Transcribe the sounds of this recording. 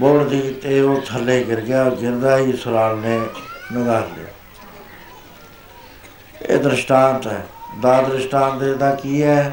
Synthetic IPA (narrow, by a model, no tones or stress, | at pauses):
boːɽd̪iːt̪eːoːt̪ʰəlːeːɡɪɾɡɪjaːoːɾɡɪɾd̪aːɦiːsʊɾaːlneːnɪɡaːɾlɪ̰ja̰ː | ḛːd̪ɾɪʃʈãːnt̪ɛːd̪aːd̪ɾɪʃʈãːnt̪ed̪aːkiːɛː